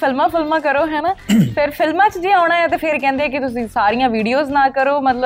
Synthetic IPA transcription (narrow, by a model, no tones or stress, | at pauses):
pʰɪlmãːpʰɪlmãːkəɾoːɦɛːnaːpʰɪɾpʰɪlmãːt͡ʃd͡ʒiːɽ̃aːɛːt̪eːpʰɪɾkɛ̃ːnd̪eɛːk̬ɪt̪ʊsĩːsaːɾijãːʋiːɖijoːznãːkəɾoːmət̪ləb